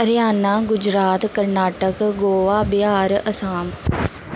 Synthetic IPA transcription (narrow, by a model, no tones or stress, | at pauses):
ɾɪjaːnãːɡʊd͡ʒɾaːt̪kəɾnaːʈəkɡoːʋaːbɪaːɾəsaːm